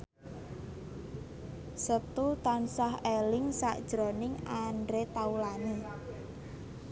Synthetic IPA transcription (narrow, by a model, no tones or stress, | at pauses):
sət̪ut̪ansaɦelɪŋsaʔd̥ʒ̥ɾonɪŋaɳɖɾet̪aulane